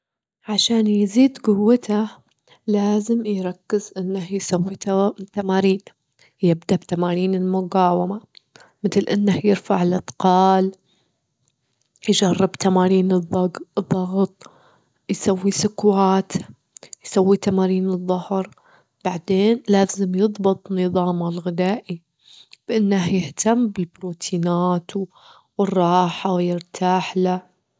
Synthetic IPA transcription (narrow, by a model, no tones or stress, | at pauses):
ʕaʃaːnjziːd̪ɡʊwːat̪a | laːzɪmjɾˤɑkːɪzʔɪnːahjsawːit̪amaːɾiːn | jɪbd̪abt̪amaːɾiːnɪlmʊɡɑːwama | mɪθlʔɪnːahjɪɾfaʕɪlʔɑt̪ˤqɑːl | jd͡ʒarˤːɪbt̪amaːɾiːnɨðˤːɑɡðˤːɑɣt̪ˤ | jsawːisʊkwaːt̪ | jsawːit̪amaːɾiːnɨðˤːʊhɾ | b̥aʕd̪eːnlaːzɪmjɨðˤbɨt̪ˤnːɨðˤɑːmalɣɪd̪aːʔi | b̥ʔɪnːahjɪht̪amːbɪlbɾuːt̪ʰiːnaːt̪ | wɪrˤːɑːħawjɪɾt̪ʰaːħla